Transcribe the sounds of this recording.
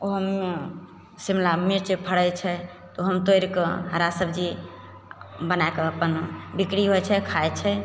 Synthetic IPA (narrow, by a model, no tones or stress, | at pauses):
oɦəme | simlamiɾt͡ʃepʰəɽɛt͡ʃʰɛ | t̪oɦəmt̪oɾkeɦəɾasəbd͡ʒi | bənaekeəpənbikɾiɦojt͡ʃʰɛkʰajt͡ʃʰɛ